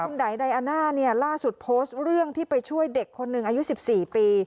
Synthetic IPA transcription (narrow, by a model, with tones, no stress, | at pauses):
u˧nda˩˦jda˧jʔa˧naː˥˩ni˥˩ɐlaː˥˩su˨˩t̪̚pʰoː˦˥st̪̚ɾɯ˥˩əŋt̪ʰiː˥˩pa˧jt͡ɕʰu˥˩əjde˨˩kʰːo˧nːɯ˨˩ŋʔa˧ju˦˥si˨˩p̚siː˨˩piː˧